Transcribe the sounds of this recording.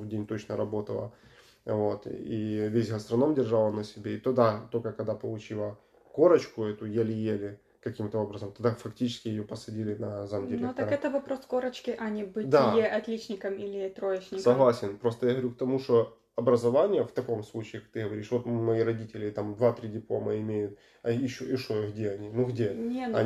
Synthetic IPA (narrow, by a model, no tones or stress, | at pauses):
vdʲenʲt̪ot͡ɕnəɾɐbo̞t̪ə̰lˠə̰ | vo̞t̪ivʲesʲɣəst̪ɾɐno̞mdʲɪrʐalˠənəsʲɪbʲeit̪ʊd̪at̪o̞lʲkəkɐɡd̪apəlˠʊt͡ɕilˠə | ko̞ɾət͡ɕkʊɛt̪ʊjalʲɪjelʲɪ | kɐkʲimt̪əo̞bɾəzəmt̪ɐd̪afɐktʲit͡ɕɪ̥skʲɪjɪjopəsɐdʲilʲɪnɐzamʲɪd̪ʲeɾʲnt̪ɐɾɛt̪əvɐpɾoskoɾət͡ɕkʲɪʔɐnʲɪbɨd̪aɪʔɐt̪lʲit͡ɕnʲɪkəmilʲɪt̪ɾoɪt͡ɕnʲɪsɐɦlˠasʲɪnpɾo̞st̪əjaɣəɐʋɐɾʲuk̚t̪ɐmuʂt̪o | ɐbɾəzɐvanʲɪjəft̪ɐko̞mslˠut͡ɕɪːkɐ̥k̚t̪ɨɣəʋɐɾʲiʂvo̞t̪mɐiɾɐdʲitʲɪlʲɪt̪amd̪vat̪ɾʲidʲɪplˠo̞məɪmʲejʊt̪̚ | ɐɪɕːoɪʂojɣdʲeɐnʲinuɣdʲenʲeɐ